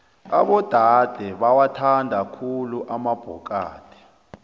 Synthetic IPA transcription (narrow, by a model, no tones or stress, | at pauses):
a̰ɓɔd̥ʱad̥ʱɛɓawatʰandʱakʰuluʔamab̥ʱɔk̬ʼa̰ːtʰi̥